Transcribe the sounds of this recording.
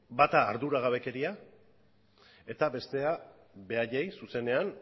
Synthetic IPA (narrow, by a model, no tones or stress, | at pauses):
bat̪aːɾðuɾaɣ̞aβe̞ke̞ɾia | e̞t̪abe̞st̪e̞a | βe̞aʎejsuse̞ne̞an